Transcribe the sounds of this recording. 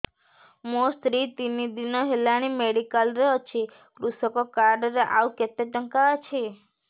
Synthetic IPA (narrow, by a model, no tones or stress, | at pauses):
most̪ɾit̪inid̪inɔɦelaɽ̃imeɽikəlɾeɦɔt͡ʃʰi | kɾusɔkɔkaɾɖɾeʔawket̪eʈəŋkat͡ʃʰi